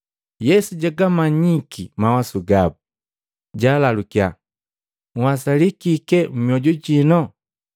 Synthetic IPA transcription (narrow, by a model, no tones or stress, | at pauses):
jɛsuɟaɡamaɲikʰimawasuɡabu | ɟaːlalukia̰ | ŋwasalikikɛm̩miɔɟuɟinɔ